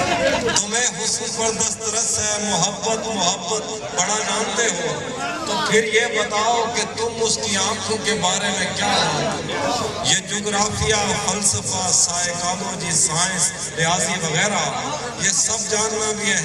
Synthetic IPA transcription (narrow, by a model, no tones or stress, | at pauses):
t̪ʊmẽːɦʊsuːpəɾd̪əst̪ɾəsɦɛːmʊɦəbːət̪mʊɦəbət̪ | bəɽaːd͡ʒaːnd̪eːɦoː | t̪oːpʰɪɾjeːbət̪aːoːket̪ʊmʊskiːãːkʰõːkeːbaːɾemẽkjaːɦo | jeːd͡ʒoːɡɾaːfʰijaːfəlsəfaːsaːekaːmõːd͡ʒiːsaːẽs | ɾɪaːziʋəɣɛːɾa | jeːsəb̚d͡ʒaːnʋẽbiɦɛ